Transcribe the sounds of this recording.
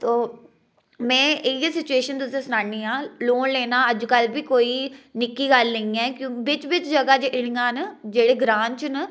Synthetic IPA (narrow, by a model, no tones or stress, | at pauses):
t̪oː | mɛ̃ːɪjesɪt͡ʃueːʃənt̪ʊsẽːsʊnaːniːãːloːɳleːnaːəd͡ʒkəlbiːkoːiːnɪkːiːɡəlnəĩːɛːkjõːbɪt͡ʃbɪt͡ʃd͡ʒəɡaːd͡ʒeɪɽɪ̃ŋɡãːnd͡ʒeːɽeːɡɾãːnt͡ʃnə